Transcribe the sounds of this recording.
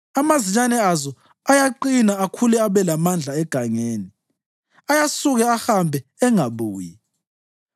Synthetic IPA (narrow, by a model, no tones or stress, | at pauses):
amaziɲanɛazɔ | ajaǃinaakʰulɛaβɛlamand͡ɮʱaɛɡ̥ʱaŋeːni | ajasuɣɛahambʱɛɛŋaβuːji